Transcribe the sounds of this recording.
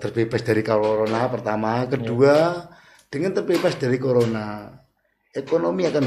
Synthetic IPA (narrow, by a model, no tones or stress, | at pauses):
t̪ərbebɛsd̥aɾikaɾoɾonapərt̪amakədua | d̥əŋənt̪ərbebɛsd̥aɾikoɾona | ekonomiakan